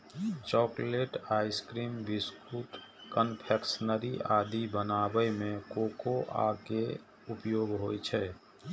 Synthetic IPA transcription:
t͡ʃɔːkleːʈaːɪskɾiːmbɪskuːʈkənpʰɛksənəɾiʔaːd̪ibənaːbəmẽkoːkoʔa̰ːke | ʊpjoːɡɦoːjt͡ʃʰɛː

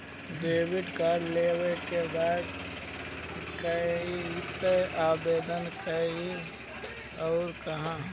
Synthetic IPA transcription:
d̪eːwɪɖkaːɖleːwekebaːd̪ | kɐɦiseʔaːbeːd̪ənkəi | ɔːɾkɐɦã

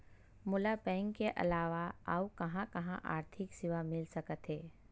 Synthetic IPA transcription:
mʊlapɛ̃ːŋɡkeʔɐ̰laːʋaa̰ːukɐɦãkɐɦãʔa̰ːɾt̪ʰɪksɪʋamɪlsɐkət̪ɦɛː

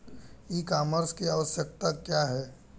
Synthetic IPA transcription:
ikaːməɾskiaːʋəsjək̚t̪akjaɦɛː

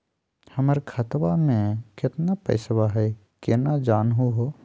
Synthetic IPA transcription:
hɐməɾkʰɐt̪ʋamẽkɪt̪napɛ̰ɪswaɦɛ | kenad͡ʒaːnɦuɦo

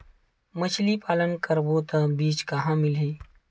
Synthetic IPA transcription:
mət͡ʃʰlipaːlənkəɾboːt̪ə̃biːt͡ʃkɐɦãmɪliː

